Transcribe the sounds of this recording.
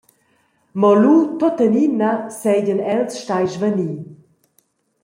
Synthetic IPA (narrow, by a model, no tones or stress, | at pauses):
mɔlutɔtɛninasɛɟənɛlsʃtajʃvəniː